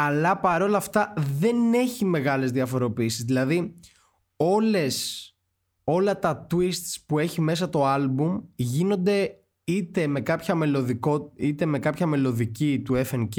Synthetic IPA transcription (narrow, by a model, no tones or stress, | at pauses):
ɐlɐpɐɾo̞lɐft̪ɐðe̞ne̞çime̞ɣɐle̞zðiɐfo̞ɾo̞piiːsizðilɐði | o̞le̞s | o̞lɐt̪ɐt̪wist̪spue̞çime̞s̬ɐt̪o̞ɐlbumʝino̞nd̪e̞ | it̪e̞me̞kɐpçɐmelðikoit̪e̞me̞kɐpçɐme̞lo̞ðicit̪uefenc